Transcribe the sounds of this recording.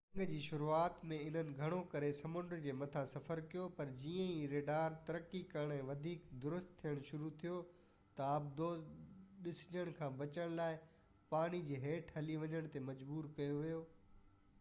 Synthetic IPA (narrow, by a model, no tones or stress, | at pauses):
ɐ̃ŋɡd͡ʑiːʃʊɾuaːt̪mẽɪn̤ənɪ̆ɡʱɐɽ̃okɐɾesɐmʊ̃ɳɖɾd͡ʑeːmɐt̪ʰãsɐfəɾkijopɐɾd͡ʑiːə̃iɾeːɖaːɾt̪ɐɾəkːikɐɾɽ̃ɛ̃ːʋɐd̪ʱiːkd̪ʊɾʊst̪ʰːijəɽ̃ʃʊɾut̪ʰijo | t̪ɐɐbd̪oɗɪsɪ̥ɲəɽ̃kʰãːbɐt͡ɕəɽ̃laːɪ | paːɽ̃id͡ʑeːɦeːʈʰɦɐliʋɐɲəɽ̃t̪emɐd͡ʑbuːɾkɐjoʋijoː